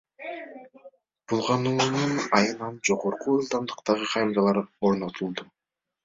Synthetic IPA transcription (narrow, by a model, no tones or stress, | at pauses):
b̥ulˠʁɑnununɑjɯnɑnd͡ʒo̞ʁo̞ɾquɯlˠd̪ɑmd̪ɯqt̪ɑʁɯqʰɑjmɾɑlˠɑɾo̞ɾno̞t̪ʰulˠd̪u